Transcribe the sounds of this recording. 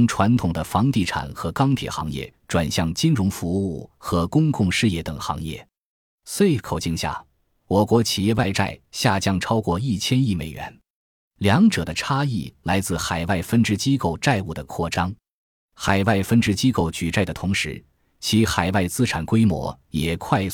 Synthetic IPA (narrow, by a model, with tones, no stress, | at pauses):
ŋʈ͡ʂʰwa˧˥nt̪ʰʊ˨˩ŋd̪ə˦fɑ˧˥ŋt̪i˥˩ʈ͡ʂʰa̰˨˩nxɤ˧˥kɑ˥ŋt̪ʰjɛ̰˨˩xɑ̰˧˥ŋjɛ̰˥˩ʈ͡ʂwa˨˩nɕjɑ˥˩ŋt͡ɕi˥nɻʊ˧˥ŋfu˧˥u˥˩xɤ˧˥kʊ˥ŋkʊ˥˧ŋʂɻ̩˥˧jɛ˥˩t̪ɤ˨˩ŋxɑ̰˧˥ŋjɛ̰˥˩ | swe˥˩ɪkʰo˨˩ʊt͡ɕi˥˧ŋɕja̰˥˩ | wɔ˨˩kwɔ˧˥t͡ɕʰi˨˩jɛ˥˧wa˥˧ɪʈ͡ʂa̰˥˩ɪɕja˥˩t͡ɕjɑ˥ŋʈ͡ʂʰɑ˥ʊkwɔ˥˧i˥˩t͡ɕʰjɛ˥ni˥˩mḛ˨˩ɪɥɛ̰˧˥n | ljɑ˧˥ŋʈ͡ʂɤ˨˩d̪ə˦ʈ͡ʂʰa˥i˥˩la˧˥ɪt͡sɹ̩˥˩xa˨˩ɪwa˥˩ɪfə˥nʈ͡ʂɻ̩˥t͡ɕi˥ko˥˧˩ʊʈ͡ʂa˥˧ɪu˥˩d̪ə˩kʰwɔ˥˩ʈ͡ʂɑ˥ŋ | xa˨˩ɪwa˥˩ɪfə˥nʈ͡ʂɻ̩˥˧t͡ɕi˥ko˥˩ʊt͡ɕy˨˩ʈ͡ʂa˥˩ɪd̪ə˩t̪ʰʊ˧˥ŋʂɻ̩˧˥ | t͡ɕʰi˧˥xa˨˩ɪwa˥˩ɪt͡sɹ̩˥ʈ͡ʂʰa˨˩nkwe˥ɪmwɔ̰˧˥jɛ˨˩kʰwa˥˧ɪ